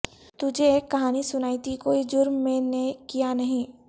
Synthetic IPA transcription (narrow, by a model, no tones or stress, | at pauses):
t̪ʊd͡ʒʱeeːkːɐɦaːnisʊnaːit̪ikoːid͡ʒʊɾmːẽnekijanɐɦĩ